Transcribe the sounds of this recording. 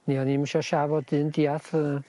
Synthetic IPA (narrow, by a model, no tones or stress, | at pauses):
niɔnimʃɔʃavɔdɨndiaθə